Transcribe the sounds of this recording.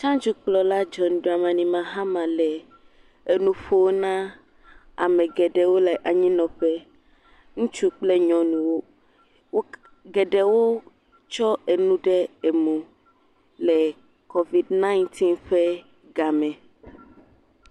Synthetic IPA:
t͡ʃã˦d͡ʒu˦k͡plɔ˨la˦d͡ʒɔ˨ñ˨ɖo˨a˨mã˨nĩ˨mã˨ɦã˦mã˨lɛ˨ | e˨nũ˨ɸo˦wo˦nã˦ | a˨mɛ̃˨ɡɛ˨ɖɛ˨wo˦lɛ˨ʔa˨ɲĩ˦nɔ̃˨ɸɛ˦ | ŋũ˦t͡ʃu˦k͡ple˦ɲɔ̃˨nũ˨wo˦ | wo˦ | ɡɛ˨ɖɛ˨wo˦ | t͡ʃɔ˦e˨nũ˦ɖɛ˦e˨mũ˨ | lɛ˨ | ko˦vi˨dnã˦i˦nt̪ʰi˦nɸɛ˦ | ɡa˨mɛ̃˨

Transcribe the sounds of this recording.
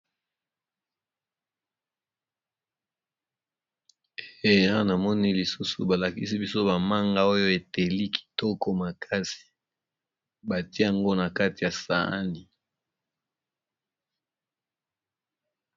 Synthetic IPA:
e˨e˦a˦wa˦na˨mɔ˦ni˦li˨su˦sṵ˨ba˨la˨ki˦si˦bi˦so˦ba˨ma˦ŋɡa˦o˦jo˦e˨te˨li˦kʰi̥˨tɔ˦kɔ˦ma˨kʰa˦si̥˨ | ba˨ti˦e˦ja˨ŋɡo˦na˨ka˦ti˨ja˨sa̰˨˦ni˨

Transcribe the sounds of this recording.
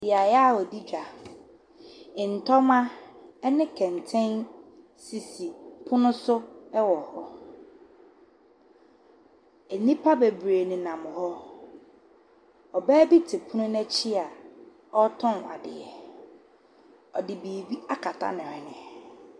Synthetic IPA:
dɪ˨a˨jɛ˦a˦˨ɔ˨di˦d͡ʑᶣa˨ | ɪ̃˨n̩˨tʰɔ˦mã˦ɛ˦nɪ̃˦kʰɛ̃˨n˨tʰɛ̃˦n | si˨si˨pʰʊ˦nʊ̃˦sʊ˦ɛ˦wɔ˨hɔ˦ | e˨nĩ˦pʰa˦be˨bɾe˨nɪ̃˨nã˨mʊ̃˨hɔ˦ | ɔ˨bæː˦bi˦tʰɪ˨pʰʊ˦nʊ̃˦næ˦t͡ɕʰi˦a˨ | ɔ˦tʰɔ̃˦na̰˨dɪ̰˨ɛ˨ | ɔ˨dɪ˨biː˨bi˦a˦kʰa˨tʰa̰˦nɪ̃˨ɛ˨nɪ̃˨

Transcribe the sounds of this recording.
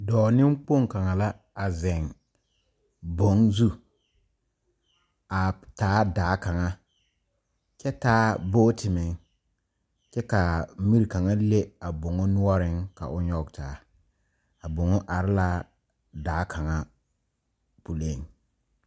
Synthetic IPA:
dɔː˨nɪ˦mk͡po˦˨ŋ˨ka˨ŋa˨la˦ | a˨zɛ˨ŋ | bo˨˦ŋzu˦ | a˨taː˨˦daː˨˦ka˨ŋa˦ | t͡ʃɛ˦taː˦boː˦tɪ˨mɪ˨˦ŋ | t͡ʃɛ˦ka˨mi˦ɾi˨ka˨ŋa˦le˦a˨bʊ˨ŋɔ˦nʊ˦ɔ˦ɾɪ˦ŋka̰˨ʔʊ˦ɲɔ˦ɡtaː˨˦ | a˨bʊ˨ŋɔ˦ʔa˨ɾɪ˦la˦ | daː˨˦kʰa˨ŋa˦ | pu˨le˦ŋ

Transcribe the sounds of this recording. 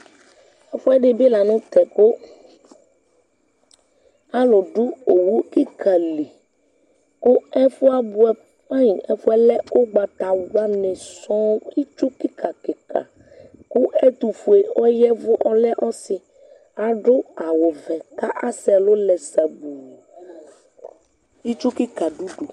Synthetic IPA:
ɛ˦fu˦ɛ˦ɖe˨bi˦la˨nũ˦t̪ɛ˨ko˦ | a˦lo˨ɖu˦o˨wu˦ki˦kʰa˨li˨ | ku˦ɛ˦fu˦a˦bu˦ɛ˦ | a˦ɲĩ˨ɛ˦fu˦ɛ˦lɛ˦o˦ɡ͡ba˨t̪a˨wa˦nɛ̃˨sɔ̃˦i˦t͡ʃu˦ki˦kʰa˨kɛ˨ka̰˨ | ku˦ɛ˦t̪u˨fu˨e˨wɔ˦jɛ˦vʊ˦ʔɔ˦lɛ˦ʔɔ˦si˨ | a˨ɖo˦a˨wo˨vɛ˨ka˦ʔa˦sɛ˨lo˦lɛ˨sa˨bu˨ | i˦t͡ʃu˦ki˦ka˨ɖu˦ɖu˨

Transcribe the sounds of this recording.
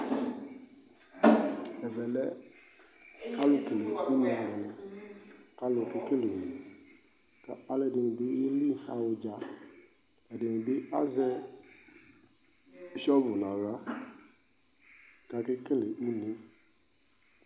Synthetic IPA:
ɛ˨vɛ˨lɛ˦ | ka˦lo˨ke˨le˨u˦ñ˨a˨ɾɔ˨nã˨ | ka˦lo˨ke˦ke˦le˨i˨ | ka˨a˨lɛ˨de˨ŋẽ˨be˦je˦li˦˨fa̰˨wo˨d͡ʒa˨ | ɛ˨de˨nẽ˨be˦a̰˦zɛ˦ | ʃɔ˦bu˨nã˨ɾa˦ | ka˨ke˦ke˦le˨u˦nĩ˦

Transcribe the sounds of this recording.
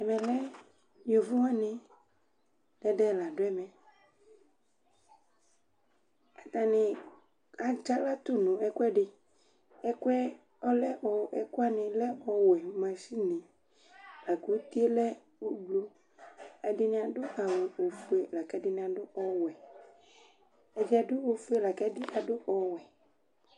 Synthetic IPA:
ɛ˨mɛ̃˨lɛ˦ | ñ˨o˨vu˦wã˦nɪ̃˨ | d̥ɛ˦ɖɛ˦˨la˨ɖo˦ɛ˦mɛ̃˨ | a˨t̪a˨nɪ̃˨ | a˨d͡ʒa˦la˦t̪o˦nũ˨ɛ˦kwɛ˦ɖɪ˨ | ɛ˦kwɛ˦ | ɔ˦lɛ˦ʔɔ˨ʔɛ˨kʊ˦a˦nɪ̃˨lɛ˦ɔ˨wɛ˨mã˨si˦nɪ̃˨ | la˨ko˨˦t̪i˦e˦lɛ˦ | o˦ɡ͡blo˦ | a˨dɪ˦nɪ̃˨˦a˨dʊ˦a˨we˨wo˨fu˦e˨˦la˨kɛ˦dɪ˦nɪ̃˨a˨ɖʊ˦ʔɔ˦wɛ˨ | ɛ˨d͡ʒi˦a˨dʊ˦wo˨fu˦e˦la˨kɛ˦dɪ˦a˨dʊ˦ʔɔ˨wɛ˨

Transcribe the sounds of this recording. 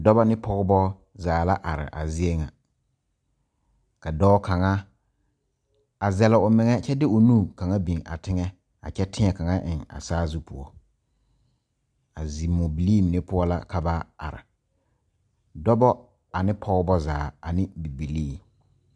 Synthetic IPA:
dɔ˦bɔ˦nɪ˦pʰɔ˦ɣɔ˦bɔ˦ | zaː˨la˦ʔa˨ɾɪ̰˨ʔa̰˨zɪ˦e˦ŋa˨ | ka˨dɔː˦ka˨ŋa˦ | a˨zɛ˨lɪ˨ʊ˨mɪ˨ŋɛ˦t͡ʃɛ˦dɪ˦ʊ˨nuː˦˨ka˨ŋa˦bi˨ŋa̰˨tɪ˦ŋɛ˦ | a̰˨t͡ʃɛ˦tʰɪ˦ŋɛ˦ka˨ŋa˦ʔɪ˨ŋa̰˨saː˦zu˦pʊ˨ɔ˦ | a˨zi˨mo˨bi˨liː˦˨m˨ɪ˦pʊ˦ɔ˦la̰˦ka˨ba˦a̰˨ɾɪ̰˨ | dɔ˦bɔ˦ | a˨nɪ˦pʰɔ˦ɡɔ˦bɔ˦zaː˨a˨nɪ˦bi˨bi˨liː˦˨

